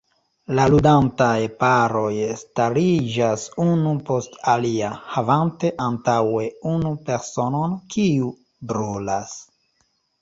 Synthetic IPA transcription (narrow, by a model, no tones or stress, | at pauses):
laludantajpaɾo̞jstaɾid͡ʒasunupo̞staliahavante̞ʔantawe̞unupe̞ɾso̞no̞nkʰiu | bɾolas